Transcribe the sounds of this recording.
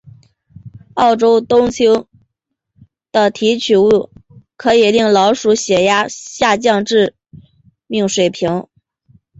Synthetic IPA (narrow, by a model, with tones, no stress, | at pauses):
ɑ˥˩ʊʈ͡ʂo˥ʊt̪ʊ˥ŋt͡ɕʰi˥ | d̪̥ə˨t̪ʰi˧˥t͡ɕʰy˧˥u˥˩kʰɤ˧˥i˨˩li˥˩ŋlɑ˧˥ʊʂu˧˥ɕjɛ˨˩ja˥ɕja˥˧t͡ɕjɑ˥˧ŋʈ͡ʂɻ̩˥˧ | mi˥˩ŋʂwe˨˩ɪpʰi˧˥ŋ